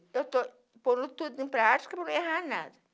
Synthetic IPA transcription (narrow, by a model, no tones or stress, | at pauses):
ewt̪o | põnʊt̪ud̪ʊẽpɾat͡ʃi̥kɐpɾɐnɐ̃w̃eɦana̰d̪ɐ